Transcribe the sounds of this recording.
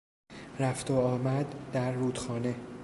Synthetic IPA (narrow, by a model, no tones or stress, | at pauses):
ɾæft̪ʰoɒːmæd̪ːæɾːuːd̪̥xɒːne̞